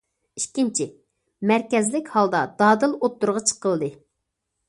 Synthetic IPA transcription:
ikʲːint͡ʃʰi | mæɾkʲɛzlɪkʲhɑlˠd̪ɑd̪̥ɑːd̪ɨlˠot̪ːʊɾʁɑt͡ʃʰə̥qəlˠɨd̪ɨ

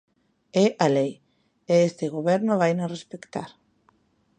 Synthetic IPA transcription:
ɛʔalej | eest̪ɪɣ̞oβɛɾnoβajnorespekt̪aɾ

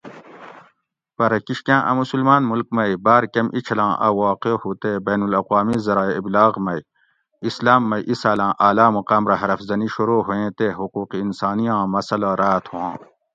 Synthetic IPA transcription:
pɐɾɐkiʃkãːʔɐ̰musulmaːnmulk̚mɐjbaːɾkɐmʔit͡ʃʰɐlãːʔɐ̰waːqehuːt̪eːbɐːnulɐqwaːmizɐɾaːeiblaːɣmɐj | islaːmːɐijʔisaːlãːʔaːlaːmuqaːmɾɐɦɐɾɐfzɐniʃuɾoːɦuẽːt̪eːɦuquːqiːnsaːnijãːmɐsɐlaɾaːt̪ʰhuwãː

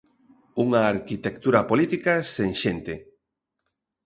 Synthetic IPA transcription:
uŋaːɾkit̪ekt̪uɾɐpolit̪ikaseŋʃent̪e

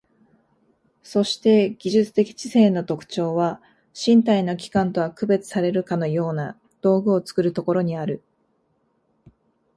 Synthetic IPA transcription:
so̞ɕi̥t̪e̞ɡʲiʑɨt͡sɨ̥t̪e̞kʲi̥t͡ɕise̞ːno̞t̪o̞kɯ̟̥t͡ɕo̞ːβa | ɕĩnt̪̬aino̞kʲi̥kãnt̪o̞βakɯ̟be̞t͡sɨ̥saɾe̞ɾɯ̟kano̞jo̞ːna | d̪̥o̞ːɡɯ̟o̞t͡sɨ̥kɯ̟ɾɯ̟t̪o̞ko̞ɾo̞ɲ̟iaɾɯ̟

